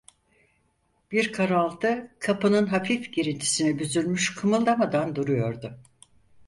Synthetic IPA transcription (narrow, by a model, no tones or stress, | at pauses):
b̥iɾkʰaɾalˠt̪ʰɯkʰapɯnɯnɦafifɟeɾint̪ʰi̥sinibyzylmyʃkʰɯmɯlˠd̪amad̪and̪uɾujo̞ɾd̪ʊ